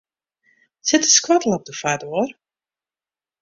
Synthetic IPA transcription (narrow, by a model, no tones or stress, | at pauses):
sɪtəskwadəl̩ˠɔp̚dəfadoər